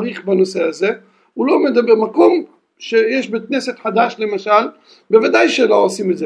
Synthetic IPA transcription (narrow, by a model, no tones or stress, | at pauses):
ʁiχbano̞seaze | ulo̞med̪abeʁmako̞m | ʃejeʃbeknesetħad̪aʃle̞maʃal | bevad̪ajʃeloosimetze